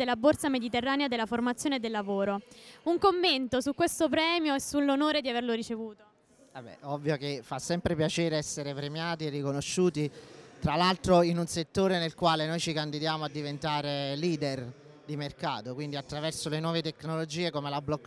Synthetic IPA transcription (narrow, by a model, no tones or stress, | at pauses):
elːabort̪samed̪it̪erːaːnead̪elaformat̪sjoːned̪elːavoːɾouŋkomːent̪osukːwest̪op̬ɾɛːmjoesːulːonoːɾed̪iaverloɾit͡ʃevuːt̪o | abɛ̰ɔvːjokefasːɛmpɾepjat͡ʃeːɾeɛsːeɾepɾemjaːt̪ierːikonoʃːuːt̪it̪ɾalalt̪ɾoinunset̪ːoːɾenelkwaːlenojt͡ʃikand̪id̪jaːmoad̪ːivent̪aːɾeliːd̪er | d̪imerka̰ːt̪okwind̪iat̪ːɾavɛrsolenwɔːvet̪eknolod͡ʒiːekomelablɔkː